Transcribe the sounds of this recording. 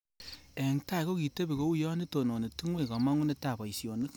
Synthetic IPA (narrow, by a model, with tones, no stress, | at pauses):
e˨ŋta˦i˨ko˦ki˨te˦bi˨ko˦u˦jɔ˦ni˦to˨no˨ni˨ti˦ŋwe˨ka˨ma˦ŋu˦ne˦ta˨pa˨i˨sjo˨ni˦k